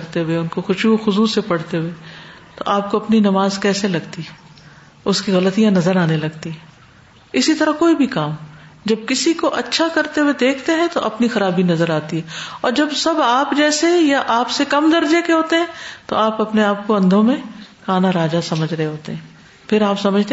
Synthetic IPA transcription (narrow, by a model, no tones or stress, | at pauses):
ɾt̪eɦʊeʊnkoxʊʃuxʊzusepɐɽ̤t̪eɦʊe | t̪o̰ʔaːp̚koɐpninɐmaːzkɛːselɐɡt̪i | ʊskiɣɐlət̪ijãnɐzəɾaːnelɐɡt̪iɦɛ | ɪsit̪ɐɾakoːibʱikaːmd͡ʒɐb̚kɪsikoʔɐtːʃʰakɐɾt̪eɦued̪eːkʰt̪eɦɛ̃t̪oʔɐpnixɐɾaːbinɐzəɾaːt̪iɦɛɔːɾd͡ʒɐbsɐbaːpd͡ʒɛːsejaʔaːpsekɐmd̪ɐɾd͡ʒekeɦoːt̪eɦɛ̃ːt̪o̰aːpɐpneaːp̚koɐ̃nd̪ʱõmẽxaːnaɾaːd͡ʒasɐməd͡ʒʱɾɐɦeɦoːt̪ḛɦɛ̃ː | pʰɪɾaːpsɐməd͡ʒʱt̪e